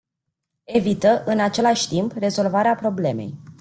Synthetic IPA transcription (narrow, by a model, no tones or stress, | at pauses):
e̞vit̪əʔɨnat͡ʃe̞laʃʲt̪impre̞zo̞lvaɾeapɾo̞ble̞me̞̰j